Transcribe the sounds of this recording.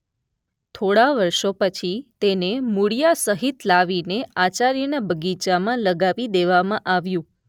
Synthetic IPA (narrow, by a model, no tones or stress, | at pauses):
t̪ʰoɽaʋəɾʃopət͡ʃʰit̪enemuɽijasəɦit̪laʋineat͡ʃaɾjənabʱəɡit͡ʃamãləɡaʋid̪eʋamãʔaʋjũ